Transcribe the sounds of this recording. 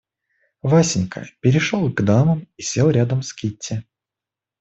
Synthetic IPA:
vasʲɪnʲkʰə̰pʲɪɾʲɪʂolˠɡd̪aməmisʲelˠɾʲad̪əmskʲitʲːɪ

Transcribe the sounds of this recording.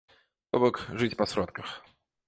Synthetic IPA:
t̪obɔkʐɨtʲpɐsɾɔt̪kəx

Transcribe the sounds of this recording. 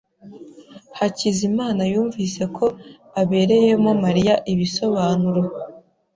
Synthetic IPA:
hacizimaːnajuːɱvise̞kʰo̞ | aβe̞ɾe̞je̞momaɾijaʔiβiso̞βaːnuɾo

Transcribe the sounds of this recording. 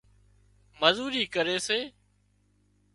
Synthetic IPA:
məzuːɾiːkəɾeːseː

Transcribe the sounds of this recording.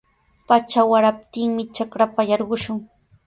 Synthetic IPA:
pat͡ʃawaɾap̚t̪ɪŋmɪt͡ʃakɾapajɑɾɢʊʃʊŋ

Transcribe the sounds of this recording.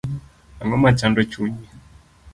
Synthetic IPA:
aŋɔmat͡ʃandɔt͡ʃuɲi

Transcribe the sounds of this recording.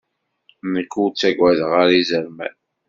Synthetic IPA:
nəkːut͡sːæɡwæðəʁaɾizəɾmæ̰n

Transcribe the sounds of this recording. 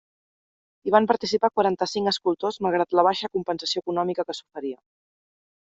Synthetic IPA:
iβ̞ampəɾt̪isipakwaɾant̪əsiŋəskulˠt̪ozmalˠɣ̞ɾat̪ləβ̞aʃəkumpənsəsiokunɔmikəkəsu̥fəɾiə

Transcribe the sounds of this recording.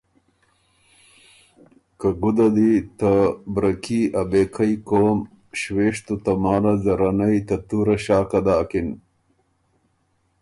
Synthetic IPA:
kɐɡud̪ɐd̪it̪abɾɐkiɐbeːkʰɐjkoːm | ɕweːʂt̪ut̪ɐmaːlɐzɐɾɐnɐjt̪ɐt̪uːɾɐɕaːkɐd̪aːkin

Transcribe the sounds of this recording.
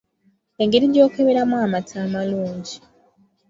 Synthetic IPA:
e̞ŋɡeɾiɟo̞ːkeβeɾamuamatʰaːmaluːɲɟi

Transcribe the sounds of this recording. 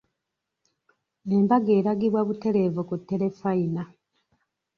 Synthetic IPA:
embaɡe̞ːɾaɡiβwaβute̞le̞vokutːe̞le̞faina

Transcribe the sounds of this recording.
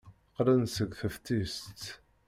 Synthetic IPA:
qɾænsəɡʷθəft̪ist̪

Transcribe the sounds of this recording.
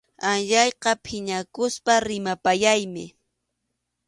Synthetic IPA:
anʎɑjqɑpʰɪɲakʊspaɾɪmapajajmɪ̰

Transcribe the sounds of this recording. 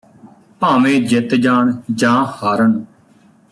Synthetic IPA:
paːʋẽːd͡ʒɪt̪d͡ʒaːɳd͡ʒãːhaːɾəɳ

